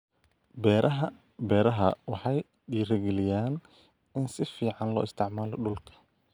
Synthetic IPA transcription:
bɛɐ | bɛːɾɐɦɐwɑħɑj | ɖiːɾɛɡɛlɪjaːn | ɪnsɪfiːʕɑnlɔ̰ːɪst̪ʰɪʕmaːlɔɖʊlkʰɐ̥

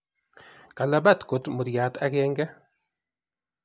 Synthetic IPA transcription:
kalabat̪kʊt̪mʊt̪jaːt̪akeːŋɡɛ

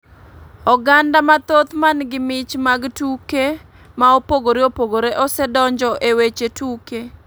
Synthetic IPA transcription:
ɔɡandamat̪ot̪manɡɪmɪt͡ʃmaɡtuke | maopoɡoɾeopoɡoɾeʔɔsɛdɔɲd͡ʒɔʔewet͡ʃetuke

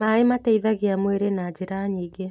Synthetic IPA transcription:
maːemataiðaɣiamweɾenad͡ʒiɾaɲiːɡe

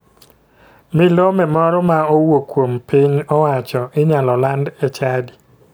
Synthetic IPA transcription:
mɪlɔmɛmɔɾɔmaowokwompiɲɔwat͡ʃɔʔɪɲalɔlandɛt͡ʃadi

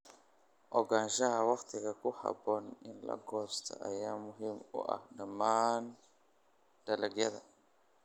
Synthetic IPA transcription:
ʔɔɡanʒɐɦɐwɑqt̪ʰɪɣɐkʊha̰bɔnɪnlɐ̰ɡɔst̪ʰa̰ʔɐjaːmʊɦimʊ̰ʔa̰hdɐman | d̥ɐlɐɡjɐðɐ

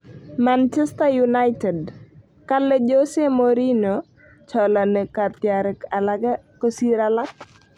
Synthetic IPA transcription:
mant͡ʃɛstajunajtɛd | kalːed͡ʒosemoɾino | t͡ʃɔlanekat̪jaɾɛkalaɡakosiɾalak̚

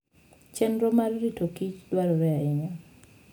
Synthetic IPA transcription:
t͡ʃɛnɾɔmarːitokit͡ʃdwaɾɔɾɛaɪɲa

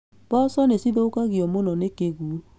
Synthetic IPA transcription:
b̥ɔsɔnesiðookaɣiɔmonɔnekeɡu

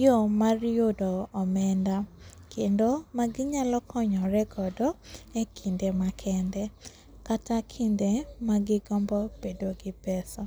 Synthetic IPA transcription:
jomaɾjodɔːmɛndakʰendomaɡɪɲalɔkɔɲɔɾɛɡɔdɔekʰindemakʰɛndɛ | katakʰindemaɡɪɡɔmbɔb̥edoɡɪpɛsɔ

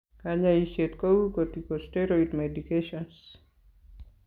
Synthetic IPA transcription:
kaɲaiʃetkowukotikosteɾoitmedikeʃɔns

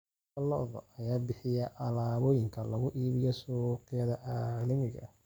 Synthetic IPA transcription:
ɐlɔ̰ðɔ̰ʔɐjaːbɪħɪjɛʔɐlaːβɔːjɪŋkʰɐlɐɣʊʔiːβɪjɔsʊqɪjɐðɐʔaːlɐmɪɣɐ̰

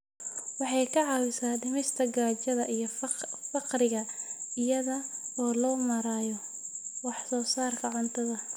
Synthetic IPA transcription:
wɑħɑjkʰɐʕɑːwɪsaːɖɪmɪst̪ʰɐɡaːt͡ʃɐðɐʔijɞfɑqrɪɣɐɪjɐðɐɔːlɔːmɐɾaːjɔ | wɑħsɔːsaːrkʰɐʕʊnt̪ʰɐðɐ

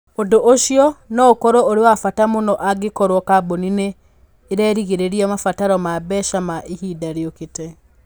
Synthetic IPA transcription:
odoʔoʃjɔnɔokɔɾɔoɾewafatamonɔʔaɡekɔɾwɔkabonineː | ɾɛːɾiɣeɾeɾiɔmafataɾɔmabɛʃamaʔehidaɾeokete

